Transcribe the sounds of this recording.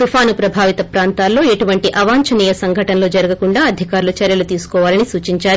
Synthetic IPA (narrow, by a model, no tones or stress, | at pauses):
t̪upʰaːnupɾɐbʱaːʋit̪ɐpɾaːnt̪aːlːo̞ːeʈuʋɐɳʈiʔɐʋaːɲt͡ʃɐniːjɐsɐŋɡʱɐʈɐnɐlo̞ːd͡ʒɐɾɐɡɐkuɳɖaːɐd̪ʱikaːɾulut͡ʃɐɾjɐlut̪iːsu̥kɔːʋaːlɐnisuːt͡ʃiɲt͡ʃaːɾu